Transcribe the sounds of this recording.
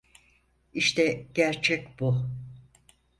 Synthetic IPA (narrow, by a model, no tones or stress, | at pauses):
iʃt̪ʰɛɟ̥æɾt͡ʃʰɛcb̥u